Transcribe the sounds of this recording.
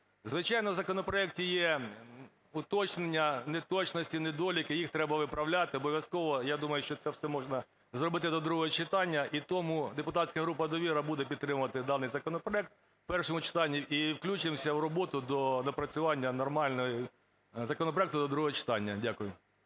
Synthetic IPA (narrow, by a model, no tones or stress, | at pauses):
zʋɪt͡ʃɑjnɔwzɐkɔnɔpɾɔɛk̚tʲijɛ | ʊt̪ɔt͡ʃnenʲːɐnet̪ɔt͡ʃnɔsʲtʲined̪ɔlʲikɪjixt̪ɾɛbɐʋɪpɾɐwlʲat̪ɪɔbɔʋʲjɐskɔʋɔjad̪umɐjʊʃt͡ʃɔt̪sɛwsɛmɔʒnɐ | zrɔbɪt̪ɪd̪ɔd̪ɾuɦɔɦɔt͡ʃɪt̪ɑnʲːɐʔit̪ɔmud̪epʊt̪ɑtʲsʲkɐɦɾup̬ɐd̪ɔʋʲiɾɐbud̪ɛpʲid̪t̪ɾɪmʊʋɐt̪ɪd̪ɑnɪjzɐkɔnɔpɾɔɛk̚t̪̚ | pɛrʃɔmʊt͡ʃɪ̥t̪ɑnʲːiʔiwklʲut͡ʃɪmsʲɐwrɔbɔt̪ʊd̪ɔnɐpɾɐt͡sʲʊʋɑnʲːɐnɔrmɑlʲnɔji | zɐkɔnɔpɾɔɛkt̪ʊd̪ɔd̪ɾuɦɔɦɔt͡ʃɪ̥t̪ɑnʲːɐdʲakʊjʊ